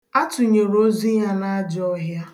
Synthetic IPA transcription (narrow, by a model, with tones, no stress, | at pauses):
a˦tʊ˨ɲe˨ɾo˦zi˦ɲa˦na˦a˦d͡ʒɔ˦ɦja˦